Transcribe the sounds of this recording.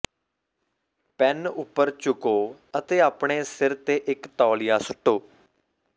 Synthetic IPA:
pɛnʊpːəɾt͡ʃʊkoːət̪eːaːpɳeːsɪɾt̪eːʔɪkt̪ɔːlɪjaːsʊʈːoː

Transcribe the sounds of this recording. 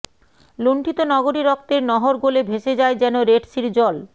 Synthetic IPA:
loɳʈʰit̪onɔɡoɾiɾɔk̚t̪eɾnɔɦoɾɡolebʱeʃed͡ʑaed͡ʑɛnoɾeɖsiɾd͡ʑɔl

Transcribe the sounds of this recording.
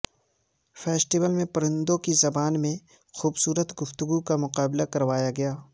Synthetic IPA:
fɛːsʈɪʋəlmẽpɐɾə̃nd̪õkizɐbaːnmẽ | xuːbsuːɾət̪ɡʊft̪ʊɡukamʊqaːblakɐɾʋaːjaɡɐjaː

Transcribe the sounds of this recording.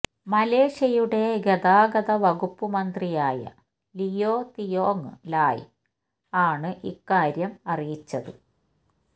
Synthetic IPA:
mɐle̞ːʂɐjuɽe̞ɡɐðaːɡɐðɐʋɐɣupːumɐnd̪rijaːjɐ̰ | lijoːt̪ijoːŋːɨlaːj | aːɳɨʔikːaːɾjɐmɐrijit͡ɕːɐðɨ

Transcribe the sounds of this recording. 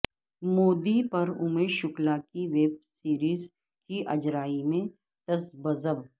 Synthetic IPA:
moːd̪ipɐɾʊmeʃʊklakiʋeːb̚siːɾiːz | kiʔɐd͡ʒɾaːimẽ | t̪ɐsbɐzəb

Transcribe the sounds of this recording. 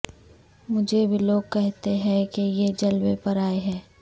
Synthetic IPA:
mʊd͡ʒʱebʱiloːɡ̚kɛɦt̪eɦɛ̃kejed͡ʒɐlwepɐɾaːeɦɛ̃ː

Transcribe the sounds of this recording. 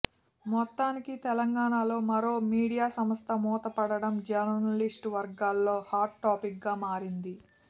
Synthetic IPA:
mɔt̪ːaːnikit̪ɛlɐŋɡaːɳaːlo̞ːmɐɾo̞ːmiːɽijaːsɐmɐst̪ɐmɔːt̪ɐpɐɽɐɽɐmd͡ʒɐɾɐɐlisʈʋɐɾɡaːlːo̞ːhaːɾʈːaːpik̚ɡaːmaːɾind̪i

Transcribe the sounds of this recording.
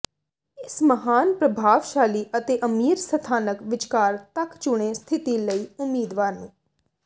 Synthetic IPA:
ɪsməɦaːnpɾəbʱaːʋʃaːliːʔət̪eːʔəmiːɾsət̪ʰaːnəkʋɪt͡ʃkaːɾt̪əkt͡ʃʊɽ̃eːst̪ʰɪt̪iːləiːʊmːiːd̪ʋaːɾnṵ̃ː

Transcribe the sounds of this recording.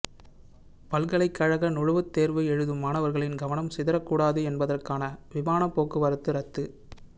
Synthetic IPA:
pɐlɡɐɭɐɪkːɐɻɐɣɐnʊɻɯʋɯt̪ːeːɾʋɯɛɻɯðɯmaːnɐʋɐɾɣɐɭɪnɡɐʋɐnɐmsɪðɐɾɐkːuːɽaːðɯɛnbɐðɐrkaːnɐʋɪmaːnɐpːoːkːɯʋɐɾɐt̪ːɯɾɐt̪ːɯ

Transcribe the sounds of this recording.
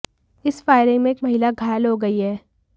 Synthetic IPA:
ɪsfaːɪɾẽmẽeːkmɐɦɪlaɡʱaːjlɦoɡɐiɦɛː

